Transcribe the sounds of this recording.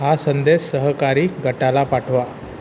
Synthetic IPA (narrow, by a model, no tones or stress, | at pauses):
ɦasənd̪essəɦəkaɾiːɡʱəʈalapaʈʰʋa